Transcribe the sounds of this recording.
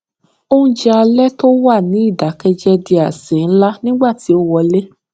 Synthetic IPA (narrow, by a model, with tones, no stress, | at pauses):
o˦ũ˦d͡ʒɛ˧a˧lɛ˦to˦wa˦˨nĩ˨˦i˦˨da˨˦kɛ˧d͡ʒɛ˦di˧a˨sĩ˨n̩˦la˦nĩ˦ɡ͡ba˦˨ti˨˦o˦wɔ˧le˦